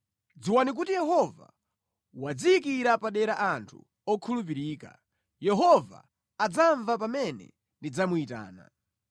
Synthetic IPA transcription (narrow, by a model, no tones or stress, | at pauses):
d͡ziwanik̬utijɛɦɔva̰ | wad͡ziikiɾapaɗɛɾaʔantʰu̥̰ | ɔkʰulup̬iɾiːka̰ | jɛɦɔva̰ | ad͡zaɱvap̬amɛnɛ̰ | ndid͡zamuita̰ːna̰